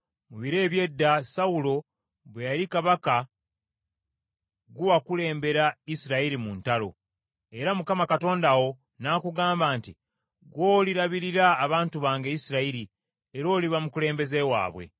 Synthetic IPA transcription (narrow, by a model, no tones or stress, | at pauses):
muβiɾe̞ːβje̞dːasaulo̞ | βwe̞jaɾikaβaka | ɡuwakule̞ːmbe̞ɾaisiɾaiɾimuntalo̞̰ | e̞ɾamukamakato̞ːndawo̞ | naːkuɡaːmbaːnti | ɡo̞ːliɾaβiɾiɾaːβaːntuβaːŋɡeisiɾaiɾi | e̞ɾo̞ːliβamukule̞ːmbe̞ze̞wa̰ːβwe̞̰